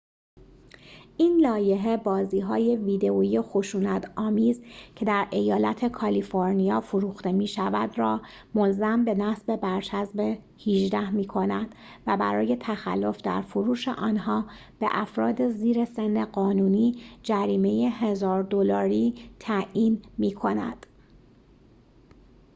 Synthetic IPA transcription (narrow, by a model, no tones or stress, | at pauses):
ʔiːnlɒːje̞ɦe̞bɒːziːɦɒːje̞viːd̪e̞oijexo̞ʃuːnæt̪ʰɒːmiːzcʰe̞d̪æɾʔe̞jɒːlæt̪ʰe̞kʰɒliːfoɾnijɒːfoɾuːxt̪e̞miːʃævæd̪rɒː | mo̞lzæmbe̞næsbe̞bæɾt͡ʃʰæzbe | hiʒd̪æhmiːkʰo̞næd̪̥væbæ̰ɾɒːje̞t̪ʰæxæ̰lːo̞fd̪æ̰ɾfoɾuːʃe̞ʔɒːnɦɒː | b̥e̞̰ʔæfɾɒːd̪e̞ziːɾe̞se̞nːeɢɒːnuːniːd͡ʒæɾiːme̞je̞ɦe̞zɒːɾd̪o̞lɒːɾiːt̪ʰæʔiːnmiːkʰo̞næ̰d̪̥